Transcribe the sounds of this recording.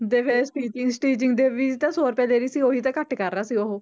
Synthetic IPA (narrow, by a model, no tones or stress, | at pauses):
d̪eːpʰeːsʈiːt͡ʃɪŋɡsʈiːd͡ʒɪŋɡd̪eːʋiːt̪ãːsoːɾpɛːleːɾiːsiːoːɦiːt̪ãːkəʈkəɾnaːsiːoɦoː